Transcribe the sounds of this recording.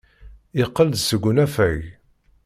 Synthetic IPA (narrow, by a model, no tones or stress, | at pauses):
ɪqːəld̪səɡʷʊnæfæʝ